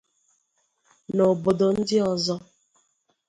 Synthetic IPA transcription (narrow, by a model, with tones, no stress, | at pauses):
no˨bo˨do˨n̩˦dɪ˦ɔ˨zɔ˦